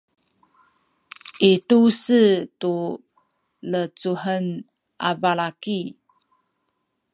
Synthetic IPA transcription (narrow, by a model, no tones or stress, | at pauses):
ʔitusətu | lət͡suhən | ʔavaɭaki